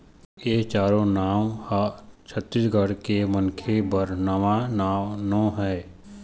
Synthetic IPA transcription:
jeːt͡ʃaːɾõnaːmhat͡ʃʰət̪ːɪsɡəɽkemənkʰebəɾnəʋanaːʋnɔ̃ːɦɛː

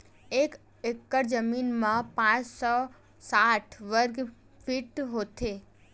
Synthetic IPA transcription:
ek | ekːəɾd͡ʒəminmãpãt͡ʃsɔ | saʈʰʋəɾɡ | fʰiʈɦot̪ʰe

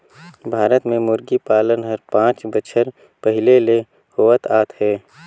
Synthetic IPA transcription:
bʱaːɾət̪mẽmʊɾɡipaːlənɦəɾpãːt͡ʃbət͡ʃʰəɾ | pəɦɪlele | hoːʋət̪aːt̪ɦɛː

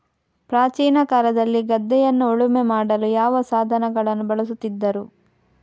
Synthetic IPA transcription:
pɾaːt͡ʃiːnɐkaːlɐd̪ɐlːiɡɐd̪ːɛjɐnːuoɭumemaːɽɐlujaːʋɐsaːd̪ʱɐnɐɡɐɭɐnːubɐɭɐsut̪ːid̪ːɐɾu

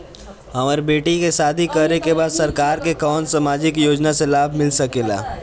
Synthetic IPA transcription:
ɦɐmaːɾebeːʈikesaːd̪ʱikənekebaːd̪sɐɾkaːɾkekɔːnsamaːd͡ʒɪkjoːd͡ʒnaselaːbʱmɪlsəkela̰ː

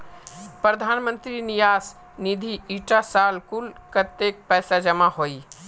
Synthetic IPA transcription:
pɾəd̪ʱaːnmə̃nt̪ɾinijaːs | nid̪ʱiiʈasalkulkət̪ek̚pɛːsad͡ʒəmaɦoi

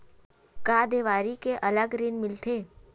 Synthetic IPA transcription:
kaːd̪eːʋaːɾikeʔɐləɡɾɪnmɪlt̪ʰeː

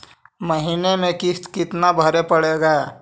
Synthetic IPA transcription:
məɦiːnemẽkɪst̪kɪt̪nabʱəɾepəɽeɡaː

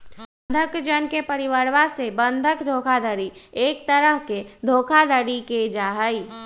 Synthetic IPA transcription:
d̪ʱəkd͡ʒənkepəɾɪʋəɾʋasebə̃nd̪ʱəkd̪ʱoːkʰad̪ʱəɾiːkt̪əɾəɦked̪ʱoːkʰad̪ʱəɽiked͡ʒaːɦəi

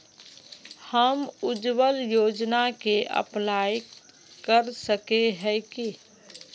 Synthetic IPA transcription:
həmʊd͡ʒwəljoːd͡ʒnakeʔə̰plaːj | kəɾsəkeɦɛki

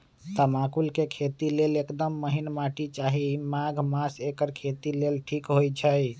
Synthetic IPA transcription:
t̪əmakulkekʰet̪ilelekd̪əmːəɦinmaʈit͡ʃaɦimaɡʱmasekəɾkʰet̪ilelʈʰikɦojt͡ʃʰəj

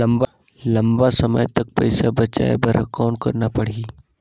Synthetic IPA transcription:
lɐmba | lɐmbasɐmə̰jt̪ɐk̚pɐ̰ɪsabɐt͡ʃa̰ːḛbɐɾkɔːnkɐɾnapɐɽ̤iː

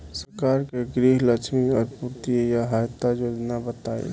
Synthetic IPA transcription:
səɾkaːɾkeɡɾiːɦlət͡ʃʰmiɔːɾpuɾt̪ijaɦajt̪ːajoːd͡ʒnabət̪aːḛ

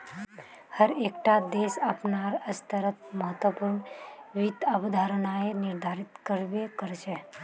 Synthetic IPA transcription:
həɾeːkʈad̪eːsəpnaɾəst̪əɾət̪̚məɦət̪wəpuɾɳʋit̪əbd̪ʱaːɾənaenɪɾd̪ʱaːɾit̪kəɾʋekəɾt͡ʃe

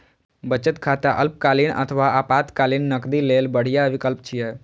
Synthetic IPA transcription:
bət͡ʃət̪kʰat̪aʔə̰lp̚kaːlinə̰t̪ʰəʋaapaːt̪kaːlinːəkd̪ilelbəɽ̤ijaʋɪkəlp̚t͡ʃʰijɛ

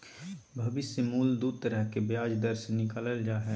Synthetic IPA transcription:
bʱɐbɪsemuːld̪uːd̪̚t̪əɾəɦkebjaːd͡ʒd̪əɾsenɪkaːləld͡ʒaːɦɛː

